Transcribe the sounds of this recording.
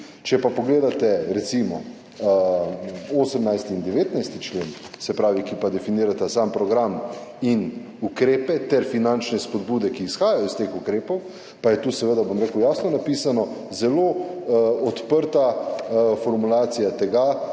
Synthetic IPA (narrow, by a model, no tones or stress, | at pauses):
t͡ʃɛpapɔɡleːd̪at̪ɛɾɛt̪simɔ | oːsəmnajst̪iːnd̪ɛʋeːt̪najst̪it͡ʃleːn | sɛpɾaːʋikipad̪ɛfiniːɾat̪asaːmpɾɔɡɾamin | ukɾeːpɛt̪ɛɾfinant͡ʃnɛspɔd̪buːd̪ɛkiːsxaːjajɔst̪exukɾeːpɔw | pajɛt̪uːsɛʋəd̪abomɾeːkəʊjaːsnɔnapiːsanɔ | zɛlo | ɔt̪pəɾt̪a | fɔɾmulaːt̪sijat̪ɛɡa